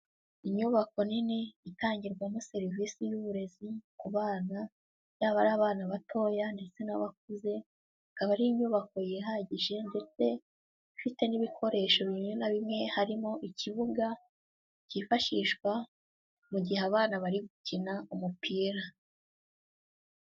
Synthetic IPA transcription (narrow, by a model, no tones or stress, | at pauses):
iɲuβako̞niniitaːɲɟiɾɡwanoseɾiviːsijuβuɾe̞zikuβaːna | jaːβaɾaːβaːnaβatʰo̞ːjande̞t͡se̞naβak̚uze̞ | akaβaɾiːɲuːβako̞jiɦaɟiʒe̞nde̞t͡se̞ | fite̞niβikʰo̞ɾe̞ːʃo̞βiɲunaβimŋe̞haɾimo̞ʔiciβuɡa | cifaʃiʃkwa | muɟiheaβaːnaβaɾiɡucinaumupiːɾa